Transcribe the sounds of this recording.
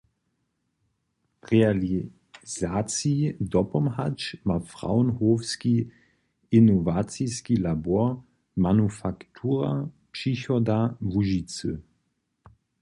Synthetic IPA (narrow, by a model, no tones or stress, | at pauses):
ʁɛali | z̥aːt͡sidɔpɔmɦat͡ʃmafʁa̰wnhoːfski | inɔvat͡siskilabɔɐ | manufaktʰuːʁa | pʂiçɔdavuʒit͡sɨ